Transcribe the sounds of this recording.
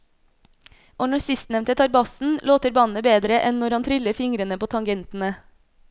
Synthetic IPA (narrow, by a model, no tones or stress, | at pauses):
ʔoːnɔsɪst̪nɛʋnt̪ət̪ʰɑɾbɑsn̩loːt̪əɾbɑnəbeːd̪ɾəʔɛnnɔɾhɑnt̪ʰɾʏləɾfɪŋɾənəpoːt̪ʰɑŋɡɛnt̪n̩ə